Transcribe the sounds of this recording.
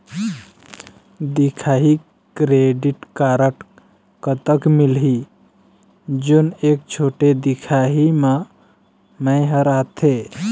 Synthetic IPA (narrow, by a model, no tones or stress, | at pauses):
d̪ikʰaɦi | kɾeɖiʈkaɾəʈ | kət̪əkmilɦi | d͡ʒonek̚t͡ʃʰoʈed̪ikʰaɦime | məɪɦəɾat̪ʰe